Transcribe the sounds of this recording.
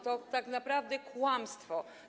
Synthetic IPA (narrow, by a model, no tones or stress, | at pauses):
t̪ɔt̪aknapɾavd̪ɛkʰuamst̪vɔ